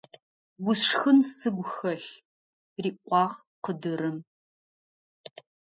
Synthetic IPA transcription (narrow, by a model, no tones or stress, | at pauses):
ɡʷʊsxɨnsɨɡʷxɐɬ | riːqʷʼɑːʁ | qədɨɾɨm